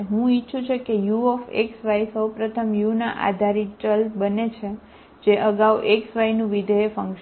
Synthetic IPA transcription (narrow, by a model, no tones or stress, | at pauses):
ɦũitːʃʰũt͡ʃʰekejuɔfḛksʋaisəwpɾət̪ʰəmjunaʔa̰d̪ʱaɾit͡ʃəlbənet͡ʃʰe | d͡ʒeʔəɡauʔeksʋajnũʋid̪ʱəefə̃ŋkʃ